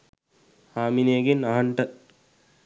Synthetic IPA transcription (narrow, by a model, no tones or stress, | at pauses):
haːmineːɡinaɦɐɳʈə